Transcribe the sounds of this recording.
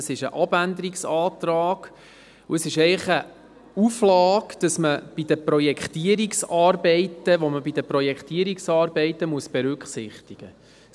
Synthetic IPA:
əsɪʃəʔɑb̥ænd̪əɾiksɑːt̪ɾɑːɡ̥ | uəsɪʃɛɪχə | uflɑːɡd̥ɑsməb̥idəprɔjɛkχt̪iəɾiksɑːrbɛɪtəʋoməbid̥əprɔjɛkχt̪iəɾiksɑːɾbɛɪt̪əmuəsb̥ɛɾʉkχsɪχt̪iɡ̥ə

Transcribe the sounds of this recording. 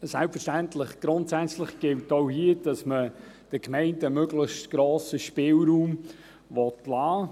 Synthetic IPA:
sælpfəʃtæntlɪχɡ̥ɾʊntsæt͡slɪχɡ̥ɪltohiəd̥ɑsmə | d̥əkmɛɪntəəmøɡlɪxstɡ̥ɾoːsəʃpɪːlɾuːm | ʋɔtlɑː

